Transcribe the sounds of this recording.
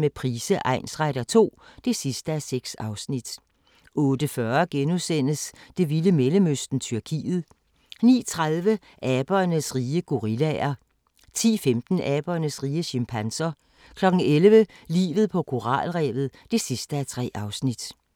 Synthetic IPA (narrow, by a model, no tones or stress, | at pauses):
mepʰʁiːsəʔɑ̈ɪ̰nsʁaɾ̥ɐt͡sʰo̝̰ːd̥e̝sisd̥əæseɡ̥sɑ̈ʊsnid̥ | ɔ̽ːd̥əfɶːɐɡ̥enusen̰əsd̥e̝ʋiləmeləmøsd̥n̩t͡sʰyɐkʰḭːð̩ˠ | nḭːt͡sʰʁaðˠʋə | ʔɛːb̥ɐnəsʁiːəɡ̥o̝ʁilɛɐ | t͡sʰḭːfemd̥n̩ʔɛːb̥ɐnəsʁiːəɕimpʰænsɐ | kʰlɒ̽ɡ̥n̩elʋəlḭːʋð̞̩ˠpʰɒ̽kʰo̝ʁɑ̰̈ːlʁɛ̰ːʋð̩ˠd̥e̝sisd̥əæt͡sʰʁɛ̰ːʔɑ̈ʊsnid̥